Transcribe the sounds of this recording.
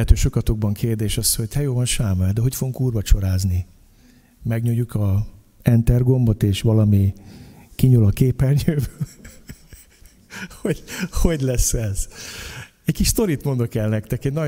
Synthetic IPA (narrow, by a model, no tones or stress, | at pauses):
ɛt̪øːʃo̞kɒt̪oɡ̚bɒŋkʰeːrd̪eːʃɒsho̞ɟhʰɛjoːvɒnʃaːmɛld̪ɛɦo̞cfo̞ɡuŋkuːrbɒt͡ʃo̞ɾaːzni | mɛɡɲojukʰɒ | ɛnt̪ɛrɡo̞mbo̞t̪eːʃʋɒlɒmi | kiɲulɒkeːpɛlɲøːvø | hoho̞ɟlɛsːɛz̥ | ɛckiʃst̪o̞ɾit̪mo̞nd̪okɛlnɛkt̪ɛkɛɟnɒ